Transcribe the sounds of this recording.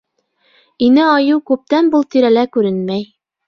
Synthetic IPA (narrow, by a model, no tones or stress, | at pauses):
inɘɑjɤwkʉp̚t̪ænbulˠt̪iɾælækʉɾɘnmæj